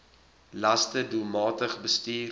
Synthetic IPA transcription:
lɐstədumɑːtəχbəstiː

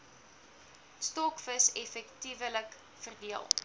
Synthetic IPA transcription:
stɔkfəsɛfɛktivələk | fərdiəlˠ

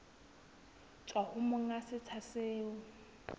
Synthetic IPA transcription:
t͡ʃʼwahʊmʊŋasɪt͡sʰasɪːʊ

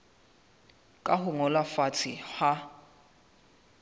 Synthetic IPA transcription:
kʼahʊŋɔlafat͡sʰɪha

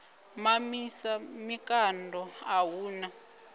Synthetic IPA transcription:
mamisamikandʱɔawuːna

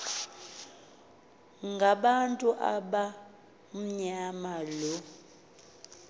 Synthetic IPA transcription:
ŋɡʱaɓantʼuʔa̰ɓa | m̩ɲamalɔ

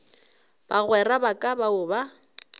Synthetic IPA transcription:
b̥aɣwɛrabakʼabaʊba

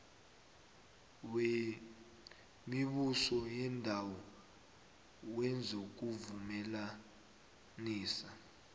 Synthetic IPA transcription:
we | miɓusɔjɛndʱawɔ | wɛnd͡zʱok̬uvumɛla | niːsa

